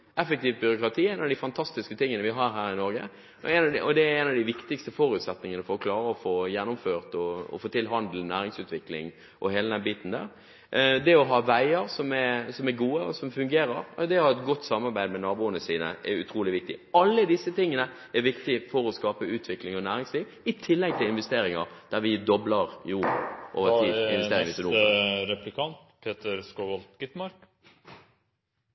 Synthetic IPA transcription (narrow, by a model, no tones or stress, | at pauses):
ɛfəkt̪iːʋt̪̚bʏɾʊkɾɑt̪ʰiːɛɪnɑʋd̪ɪfɑnt̪ʰɑst̪ɪskət̪ʰɪŋːənəʋɪɦɑːɾɦæːɾɪnɔɾɡə̰ | ɛɪnɑʔɔd̪ɛæɾɛɪnɑʋd̪ɪʋɪkt̪ɪkst̪əfɔɾʉːt̪sɛt̪nɪŋənəfɔɾɔkʰlɑːɾəɔfoːjɛnːʊmføːʁt̪ɔɔ̰foːt̪ʰɪlɦɑnd̪l̩næːɾɪŋsʉːt̪ʋɪklɪ̰ŋ | ʔɔheːləd̪ɛnbiːt̪n̩d̪æ̰ːɾ | d̪ɛɔɦɑːʋæɪəɾsɔmɛɾsɔmæɾɡuːəɔ̰sɔmfʉŋɡeːɾəɾd̪ɛhɑɾɛt̪ɡɔt̪ːsɑmːɑɾbæɪd̪mɛnɑːbuːənəsiːnə̰ʔɛʉt̪ʰɾuːlɪʋɪk̚t̪ɪɑlːəd̪ɪsːət̪ɪŋːənə | ɛɾʋɪkt̪ɪfɔɾɔskɑːpəʉːt̪ʰʋɪklɪŋɔnæːɾɪŋsliːʋ | ɪt̪ʰɪlːɛɡ̚t̪ʰɪlɪnʋɛst̪eːɾɪŋɑ̰ʁd̪̥æɾʋɪd̪ɔbləʁjuʔo̰ːʋəʁiːɪnʋɛseːɾɪŋsɔuːɾɛplɪkʰɑnt̪pʰeːt̪əɾskoʋɑlt̪ɡɪt̪mɑɾk